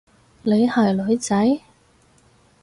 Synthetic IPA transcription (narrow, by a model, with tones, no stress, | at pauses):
le˨˧jhaː˨˩jlɵ˨˧ɥt͡sɐ˨˥j